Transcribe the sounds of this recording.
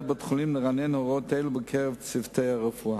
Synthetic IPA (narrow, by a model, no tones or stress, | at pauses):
bətχʊlimləʁanɛnhɔʁotelubəkʰɛʁɛvt͡sivtʰeaʁəfua